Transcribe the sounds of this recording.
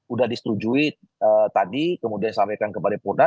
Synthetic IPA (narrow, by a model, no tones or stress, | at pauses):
udahdisə̥t̪ud͡ʒui | ət̪adikəmudiansampajkankəpadapurda